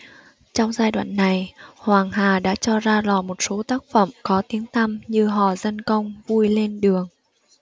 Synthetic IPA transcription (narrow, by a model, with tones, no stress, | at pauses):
t͡ɕɔ˧wŋ͡mzaː˧jɗwa̰ː˧˨nːa˨˩jhwaː˨˩ŋɦaː˨˩ɗa̰ː˧˥t͡ɕɔ˧zaː˧lɔ˨˩mo˨˩t̚so˨˦t̪aː˦˥k̚fə̰˧˩mkɔ˨˦t̪i˨˦əŋt̪ʰa˧mɲɨ˧ɦɔ̰˧˨˩zə˧nkə˧wŋ͡mvu˧jle˧nɗɨ˨˩əŋ